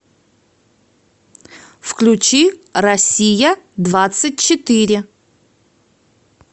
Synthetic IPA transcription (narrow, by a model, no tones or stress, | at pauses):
fklʲʉt͡ɕirɐsʲijəd̪vat̪sɨt̚ʲt͡ɕɪt̪ɨɾʲɪ